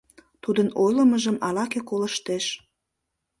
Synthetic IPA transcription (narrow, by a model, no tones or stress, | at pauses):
t̪ud̪ənojləməʒəmɑlɑkekoləʃt̪eʃ